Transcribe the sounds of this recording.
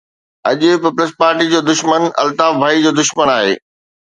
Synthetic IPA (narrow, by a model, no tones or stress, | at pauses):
ɐʄʊpiːpləspaːɾʈid͡ʑoːd̪ʊʃmənɐ̰lt̪aːfbʱaːid͡ʑoːd̪ʊʃmənaːɦḛː